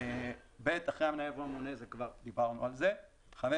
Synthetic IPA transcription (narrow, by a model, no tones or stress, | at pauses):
bet̪aχʁeaminaevamunezekvaʁd̪ibaʁnualze | χame